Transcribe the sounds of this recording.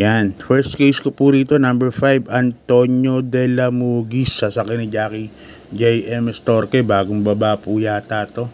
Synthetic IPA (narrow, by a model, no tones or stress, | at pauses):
janfɛɹst̪̚kejskopuɾiːt̪o̞nɐmbɛɹfajbɐnt̪o̞ɲo̞d̪ɛlɐmuɡisːɐsakɪnɐd͡ʒaːki | d͡ʒɛjʔɛmɛst̪oɾkɛbaːɡoŋbɐbaʔpujaːt̪aːt̪o̞